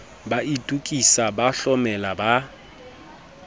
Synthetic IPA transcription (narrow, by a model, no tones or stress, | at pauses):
baitʼukʼisabaɬɔmɛlaba